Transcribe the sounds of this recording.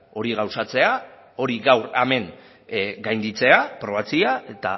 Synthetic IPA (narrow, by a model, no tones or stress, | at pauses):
o̞ɾiɣawsat͡se̞a | o̞ɾiɣawɾame̞ŋ | ɡajnd̪it͡se̞apɾo̞β̞at͡siae̞t̪a̰